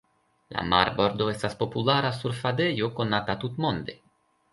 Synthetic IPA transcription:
la̰ma̰ɾbo̞ɾd̪o̞e̞staspo̞pulaɾasuɾfad̪e̞joko̞nat̪at̪ut̪mo̞nd̪e̞

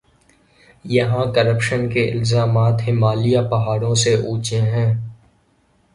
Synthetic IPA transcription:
jɐɦãkɐɾəpʃənkeʔɪ̰lzaːmaːt̪ɦɪmaːlijapɐɦaːɾõseʔuːt͡ʃẽɦɛ̃ː

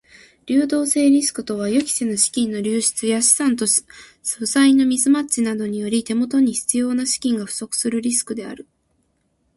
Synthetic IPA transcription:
ɾʲɨːd̪o̞ːse̞ːɾʲisɨ̥kɯ̟t̪o̞β̞ajo̞kʲi̥senoɕi̥kʲĩnːo̞ɾʲɨːɕi̥t͡sɨjaɕi̥sãnt̪o̞ɕ | sɯ̟saino̞mʲizɨmat͡ɕinad̪o̞ɲ̟ijo̞ɾʲit̪e̞mo̞t̪o̞ɲ̟içi̥t͡sɨjo̞ːnaɕi̥kʲĩŋɡaɸɯ̟̥so̞kɯ̟̥sɨɾɯ̟ɾʲisɨ̥kɯ̟d̪e̞a̰ɾɯ̟

